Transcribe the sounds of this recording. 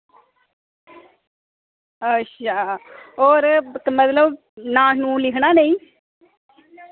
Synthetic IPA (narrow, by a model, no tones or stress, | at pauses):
əʃʰaːoːɾmət̪ləb | nãːnũːlɪkʰɳaːneĩː